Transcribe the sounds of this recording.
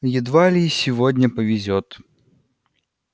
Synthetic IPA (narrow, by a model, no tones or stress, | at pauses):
jɪd̪valʲisʲɪvodʲnʲəpəvʲɪzʲot̪